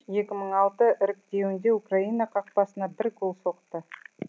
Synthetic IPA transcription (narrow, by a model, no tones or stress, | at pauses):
je̞kʲɪməɴɑlˠt̪əʔɪɾɪk̚t̪e̞wɪnd̪e̞ukraijnɑqʰɑq̚pɑsənɑbɪɾkʰolˠso̞qt̪ə